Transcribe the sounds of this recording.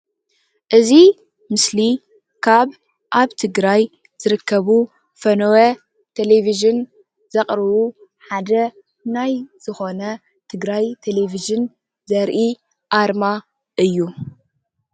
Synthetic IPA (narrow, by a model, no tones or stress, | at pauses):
ʔɨzi | mɨsli | kʰaβ | ʔaβt̪ʰɨɡɾaj | z̥ɨɾɨkʰːɐβu | fɐnowe | t̪ʰeleviʒɨn | z̥ɐχʼɾɨβu | ħad̪ɐ | najz̥ɨxo̞nɐ | t̪ʰɨɡɾajt̪ʰeleviʒɨn | zɐɾʔi | ʔaɾma | ʔɨjːu